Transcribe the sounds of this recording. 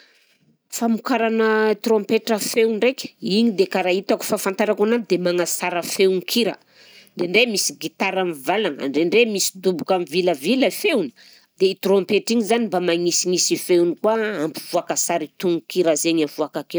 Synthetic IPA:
famukaɾanət̪ɾõmpeʈ͡ʂəfewɳrekʲiɲid̪ekaɾait̪aku̥fafant̪aɾakanan̚d̪emaŋasaɾəfewnikʰiɾə̰ | ɳɖ͡ʐeɳɖ͡ʐemisiɡit̪aɾamivalaŋa̰ɳɖ͡ʐeɳɖ͡ʐemisi̥d̪ubukamiviləviləfewni̥ | d̪eit̪rõmpeʈ͡ʂiŋizanimbamaŋisiŋisifeunikwaampi̥vuakəsaɾit̪uŋkiɾazeɲavuakakew

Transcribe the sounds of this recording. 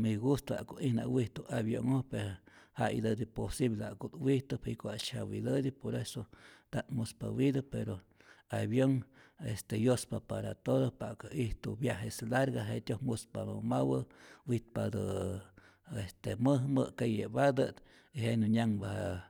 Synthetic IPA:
miɡust̪a̰ʔkoʔihna̰ʔwiht̪uʔaβjo̰ŋohpeɾhaʔid̪əd̪iposiβlea̰kot̪wiht̪ɨpikoat͡ʃhawid̪əd̪ipoɾesot̪aʔmuspa̰wid̪apeɾo | aβjoŋest̪ejospapaɾa̰t̪od̪opakaiht̪ṵbjaɦeslaɾɡaɦet̪ʲjohmuspamawəwiht̪̚pad̪ɨ | est̪eməɦmə̰kejebad̪ət̪ | iɦenuɲaŋbaha

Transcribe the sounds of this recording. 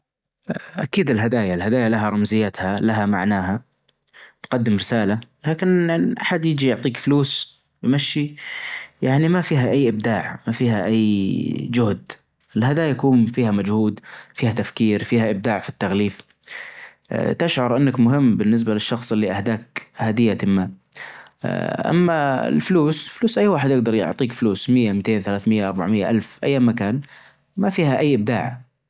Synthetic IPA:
ʔa̰kiːd̪ɪlɦad̪aːjaɪlhad̪aːjalaɦaɾˤɑmzɪjːat̪halaɦamaʕnaːɦa | t̪qɑd̪ːɪmɾɪsaːlalaːkɪnʔaħad̪jɪd͡ʒijʊʕt̪ˤiːkfluːs | wmaʃːi | jaʕnimafiːɦaʔajːʔɪb̚d̪aːʕmafiːɦaʔajːd͡ʒʊhd̪ | ɪlhad̪aːjakuːmfiːhamad͡ʒhuːd̪fiːhat̪afkiːɾfiːhaʔɪb̚d̪aːʕfit̪ːaɣliːf | t̪ɪʃʕɑɾˤʔɪnːakmʊɦɪmːbɪnːɪs̬balɪʃːɑxsˤɪlːiʔahd̪aːkhad̪ɪjːat̪ɪmːa | ʔa̰mːaɪ̰lfluːsɪlfluːsʔajːwaːħɪd̪jɪɡ̚d̪ɑɾˤjʊ̰ʕt̪ˤiːkfluːsmɪjːamt̪eːnθalaːθmɪjːaʔɑɾˤbaʕmɪjːaʔalfʔa̰jːamːakaːn | mafiːhaʔajːʔɪb̚d̪a̰ːʕ

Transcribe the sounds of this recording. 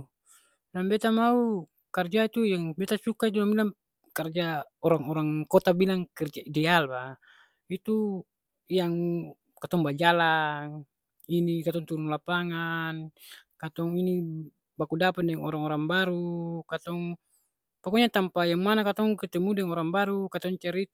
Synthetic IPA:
lambɛt̪amau | kard͡ʒait̪ujaŋbɛt̪asukait̪̬ulambilaŋ | kard͡ʒa | ɔɾaŋɔɾaŋkɔt̪abilaŋkɛrd͡ʒaidɛalba | it̪u | jaŋ | kat̪ɔŋbad͡ʒalaŋ | inikat̪ɔŋt̪uɾunlapaŋankat̪ɔŋini | bakudapat̪̚dɛŋɔɾaŋɔɾaŋbaɾukat̪ɔŋ | pakɔɲat̪ampajaŋmanakat̪ɔŋkət̪ɛmudɛŋɔɾaŋbaɾukat̪ɔŋt͡ʃaɾit̪

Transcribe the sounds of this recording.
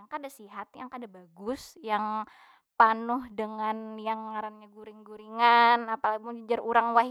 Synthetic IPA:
aŋkadasiɦat̪̚jaŋkadabaɡʊsjaŋ | panʊhdəŋanjaŋːaɾanɲaɡuɾiŋɡuɾiŋanapalabʊŋd͡ʒəd͡ʒaruɾaŋwaɦ

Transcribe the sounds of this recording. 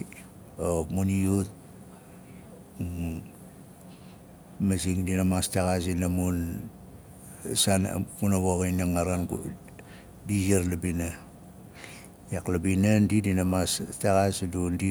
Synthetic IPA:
omuniut̚ | masiŋdinamastaɣas̬inamun | san̰kunaβoɣainaŋaɾanɡ | disiaɾlabina | jaklabinandidinamastaɣasdundi

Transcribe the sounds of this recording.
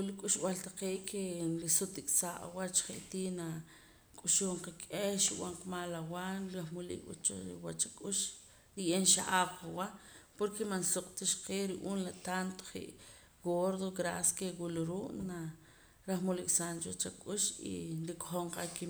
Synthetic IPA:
ulikʼuʃɓalt̪aqeːʔkʰenɾisut̪ːikʼsaːʔa̰wat͡ʃχeʔt̪iːna | kʼuʃuːɴqakʼehʃiw̰aɴqmaːlawanɾaχmulḭkʼwa̰t͡ʃoiwat͡ʃakʼuʃ | ɾiʔeːnʃaʔaːbqawaʔpoɾkemansuqʼt̪iʃqeːɾiʔuːnlat̪ant̪o̥χḭʔ | ɡoɾðoɡɾaskeɡuluɾuːʔna | ɾaχmulikʼsaːnt͡ʃwat͡ʃakʼuʃḭnɾikʼo̥χoɴqaki

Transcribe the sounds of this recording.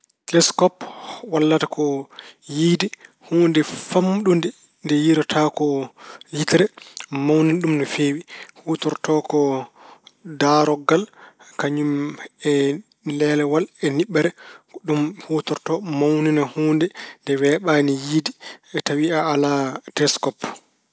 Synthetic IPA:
klɛskɔpwalːatakʰɔjiːdi | huːndɛfamːɗundɛ | ndɛjiɾɔtʰakɔjitɾɛmawninɗumnɔfeːwihutɔɾtɔkɔ | daːɾɔɡal | kaɲumɛ | lɛlɛwalɛniɓːɛɾɛɗumhuːtɔɾtɔmawninahuːndɛndɛwɛːɓanijiːdiɛtawiaːladɛskɔp

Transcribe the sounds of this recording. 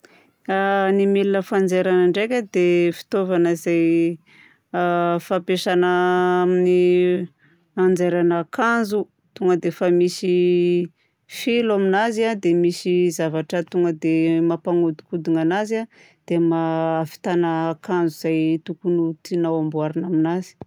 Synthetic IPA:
animelinəfand͡zeɾanaɳɖ͡ʐekʲəd̪efi̥t̪ovanəizaj | fapeʃanəmini | and͡zeɾanakanzu | t̪uŋɡəd̪efəmisi | filaminaziad̪emisizavaʈ͡ʂət̪uŋɡəd̪emapaŋud̪u̥kud̪iŋanaza | d̪̥emaːfi̥t̪anəːkand͡zuz̥ajt̪ukunut̪inawambuaɾinaminazi̥

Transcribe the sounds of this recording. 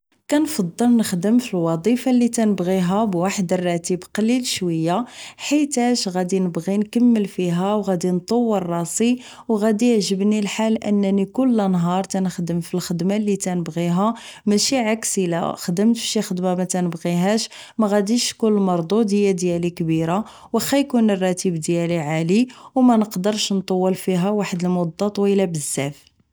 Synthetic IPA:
kænfɑd̪ˤːəlnəxd̪əmfilwɑd̪ˤifalːit̪ænəbɣiɦæbwaħd̪ərˤːɑt̪ibqlilʃwəjːaħit̪æʃɣæd̪inəbɣinkəmːəlfiɦæwɣæd̪int̪ˤowːərˤːɑsi | wɣæd̪ijʕʒəbnilħalʔə̰nːænikʊlːnɦɑɾˤt̪ænəxd̪əmfilxəd̪malːit̪ænəbɣiɦæmæʃiʕaksilæ̰xd̪əmt̪bʃixəd̪mamæt̪ænəbɣiɦæʃ | mæɣæd̪iʃkullmɑɾˤd̪ˤud̪jæd̪jælikbiɾa | wəxæjkunərˤːɑt̪ibd̪jæliʕaliwmænəqd̪əɾʃnt̪ˤɑwːəlfiɦæwaħəd̪əlmʊd̪ˤːɑt̪ˤwilæbəzːæf

